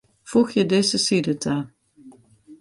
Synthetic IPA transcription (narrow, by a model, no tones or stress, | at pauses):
fuxjədeːzəsidətʰa